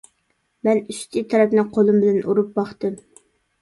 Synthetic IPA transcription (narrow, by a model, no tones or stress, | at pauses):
mɛnyst̪ʰit̪ʰɛɾɛpnɪqʰolˠɨmbɪlɛnʔuɾup̚bɑχt̪ɨm